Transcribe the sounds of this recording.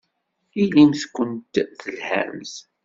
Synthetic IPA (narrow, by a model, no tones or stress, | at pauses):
ilimθkʷːənt̪θəlhæ̰mθ